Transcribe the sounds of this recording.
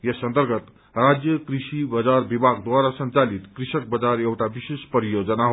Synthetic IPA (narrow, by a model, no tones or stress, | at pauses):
jesə̃nt̪əɾɡʱət̪ | ɾad͡ʒjəkɾisibəd͡zaɾbibʱaɡd̪waɾasə̃nt͡ʃalit̪kɾiʃək̚bəd͡ʒaɾewʈabisespəɾijod͡ʒənaɦo